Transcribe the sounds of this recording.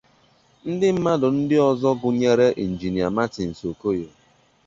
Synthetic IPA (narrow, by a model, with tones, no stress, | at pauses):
n̩˦dɪ˦m̩˦ma˦dʊ˨n̩˦dɪ˦ɔ˦˨zɔ˦ɡʊ˨ɲe˦ɾe˦ʔi˨n̩˨d͡ʒi˨ni˨a˨ma˦ti˨n̩˨so˨ko˦je˨